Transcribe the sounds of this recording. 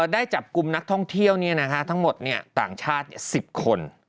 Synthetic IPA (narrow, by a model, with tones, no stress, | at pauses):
daː˥˩jt͡ɕa˨˩p̚ku˧mna˦˥k̚t̪ʰɔ˥˩ŋt̪ʰi˥˩əwni˥˩ɐna˦˥kʰa˦˥t̪ʰa˦˥ŋmo˨˩t̪̚ni˥˩ɐt̪aː˨˩ŋt͡ɕʰaː˥˩t̪̚ni˥˩ɐsi˨˩p̚kʰo˧n